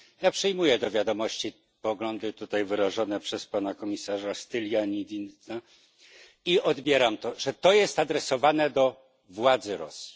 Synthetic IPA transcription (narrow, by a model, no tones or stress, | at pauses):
japʂɛjmujɛd̪ɔvʲjad̪ɔmɔɕt͡ɕi | pɔɡlɔnd̪ɘt̪ut̪ajvɘɾaʐɔnɛpʂɛspanakɔmʲisaʐast̪ɘlʲjaɲid̪ʲint̪a | iɔd̪bʲjɛɾamt̪ɔʐɛt̪ɔjɛst̪ad̪ɾɛsɔvanɛd̪ɔ | vwad̪zɘɾɔsʲi̥